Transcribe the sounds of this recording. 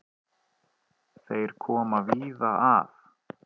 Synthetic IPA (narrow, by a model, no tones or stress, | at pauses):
θejɾ̥kʰɔːmaviːðaaf